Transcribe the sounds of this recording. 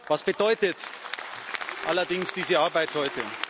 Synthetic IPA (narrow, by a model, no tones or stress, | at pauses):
vasb̥ədɔʏtət | ʔalɐdɪŋsd̥iːzəaɐbaɪthɔʏtə